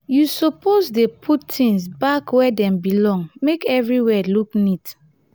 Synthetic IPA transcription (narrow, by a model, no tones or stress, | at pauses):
jusɔpʰozdepʰutːĩŋsbakwɛdɛ̃mbilɔ̃ŋmekɛvɹiwɛluknit